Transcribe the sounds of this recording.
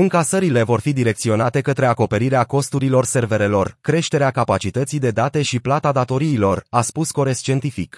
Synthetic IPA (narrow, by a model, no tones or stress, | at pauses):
ɨŋkasəɾile̞vo̞rfid̪iɾe̞kt̪sio̞nat̪e̞kət̪ɾe̞ako̞pe̞ɾiɾeako̞st̪uɾilo̞rse̞rve̞ɾe̞lo̞rkɾe̞ʃt̪e̞ɾeakapat͡ʃit̪ət̪sijd̪e̞d̪at̪e̞ʃiplat̪ad̪at̪o̞ɾiːlo̞raspusko̞ɾe̞st͡ʃe̞nt̪ifik